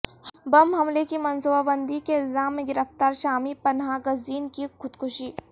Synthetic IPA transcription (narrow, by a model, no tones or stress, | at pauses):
bɐmɦɐmlekimɐnsubabənd̪ʱikeɪlzaːmːẽɡɪɾəft̪aːɾʃaːmipɐnɦaɡɐziːnkikʰʊd̪kʰʊʃiː